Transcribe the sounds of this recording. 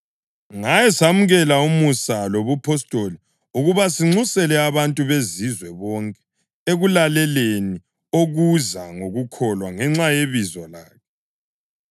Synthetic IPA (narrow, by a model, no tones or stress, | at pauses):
ŋajɛsamuɣɛlaumusaloβupʰɔstʼoli | uɣuβasiŋ͡ǀusɛlɛaβantʼuβezizwɛβɔŋkʼɛ̥ | eɣulalɛleni | oɣuzaŋoɣukʰɔlwaŋɛŋ͡ǁajeβizɔlaːkʰɛ